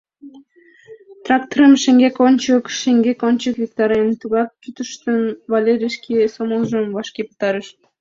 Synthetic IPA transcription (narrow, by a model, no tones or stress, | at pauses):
t̪rɑk̚t̪oɾəmʃeŋɡʲekonʲt͡ɕəkʃeŋɡʲekonʲt͡ɕəkvʲik̚t̪ɑɾent̪uɣɑk̚kyt̪əʃt̪ənvɑlʲeɾʲiʃkʲisomolˠʒəmvɑʃkʲepə̥t̪ɑɾəʃt̪